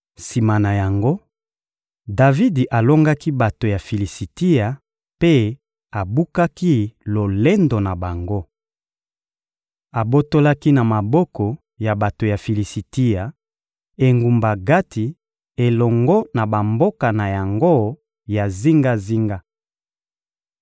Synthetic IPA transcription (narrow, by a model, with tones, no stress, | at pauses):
si˨ma˨na˨ja˨ŋɡo˦ | da˨vi˦di˨ʔa˨lo˦ŋɡa˦ki˦ba˨to˨ja˨fi˨li˨si˨ti˦ja˨ | pe˦ | a˨bu˦ka˦ki˦lo˨le˦ndo˨na˨ba˨ŋɡo˦ | a˨bo˦to˦la˦ki˦na˨ma˨bɔ˦kɔ˨ | ja˨ba˨to˨ja˨fi˨li˨si˨ti˦ja˨ | e˨ŋɡu˨mba˨ɡa˦tʰi˨ | e˨lɔ˨ŋɡɔ˦na˨ba˨mbo˦ka˨na˨ja˨ŋɡo˦ | ja˨zi˦ŋɡa˦zi˦ŋɡa˦